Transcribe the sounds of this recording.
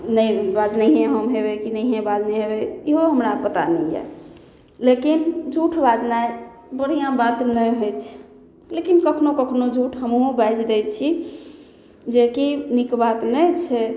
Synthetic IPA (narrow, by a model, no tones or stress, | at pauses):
nəjbad͡ʒniɦẽɦəmɦebekinəjɦẽbad͡ʒniɦebeiɦoɦəmɾapət̪a̰nɛ̰jɛ̰ | lekind͡ʒʱuʈʰbad͡ʒnae | bəɽ̤ijãbat̪nəjɦojt͡ʃʰɛ̥ | lekinkəkʰnokəkʰnod͡ʒʱuʈʰɦəmɦõbajd͡ʒd̪ɛjt͡ʃʰi | d͡ʒekinikbat̪nət͡ʃʰɛ